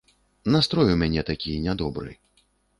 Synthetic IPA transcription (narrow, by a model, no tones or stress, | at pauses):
nast̪ɾɔjumʲanʲɛt̪akʲijnʲad̪ɔbɾɨ̰